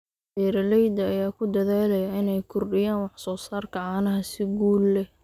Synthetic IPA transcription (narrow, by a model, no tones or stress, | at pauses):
ɛːɾɐlɛjd̪ɐːjaːkʰʊd̪ɐðaːlɐjɐɪnɛjkʰʊrɖɪjaːnwɑħsɔːsaːrkʰɐʕɑːnɐɦɐsɪɡuːlːɛ